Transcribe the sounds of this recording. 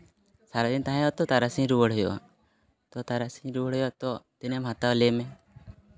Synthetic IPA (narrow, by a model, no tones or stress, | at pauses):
saɾad̪int̪aɦãjat̪ɔt̪aɾasĩɲɾuwəɽ̤ɦɔjɔ̰a̰ | t̪ɔt̪aɾasiɾuwəɽ̤ɔjɔat̪ɔt̪ɛnɛmɦat̪awlɛmɛ